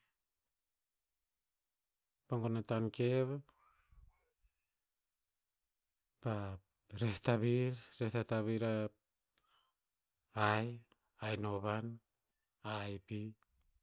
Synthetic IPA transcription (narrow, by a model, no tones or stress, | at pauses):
paŋɡonatankeβ | pa | ɾehtaβiɾɾehtataβiɾa | aj | ajnoβan | ajpi